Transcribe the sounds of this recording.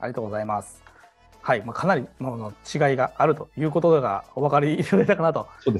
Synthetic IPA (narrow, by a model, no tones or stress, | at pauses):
a̰ɾʲit̪oːɡozaimasɨ̥ | haimaːkʰanaɾʲimonot͡ɕiɡaiɡaːɾɯ̟t̪o̞jɯ̟ːko̞t̪o̞d̪eɡa̰oβakaɾʲiːɾod̪et̪akanat̪o̞soːd̪e